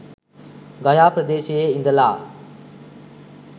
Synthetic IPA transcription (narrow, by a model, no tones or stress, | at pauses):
ɡɐjaːpɾəd̪eːʃeeĩnd̪əlaː